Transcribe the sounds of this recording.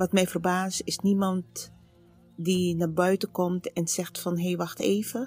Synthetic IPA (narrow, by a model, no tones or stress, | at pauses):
ʋɔtmɛjfərbaːstɪsnimɔnt | dinaːbœɥtəkɔmtɛnsɛxtfɔnɦejʋaxteːvə